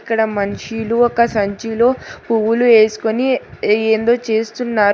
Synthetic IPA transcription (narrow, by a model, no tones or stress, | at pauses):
kːɐɽɐmɐnʂiluɔkɐsɐɲt͡ʃilo̞ːpuwulue̞ːsu̥konieːnd̪o̞ːt͡ʃe̞ːst̪unːaːɾ